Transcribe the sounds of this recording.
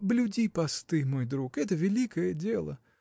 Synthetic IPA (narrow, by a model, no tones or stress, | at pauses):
blʲʊdʲipɐst̪ɨmojd̪ɾukɛt̪əvʲɪlʲikəjədʲelˠə̰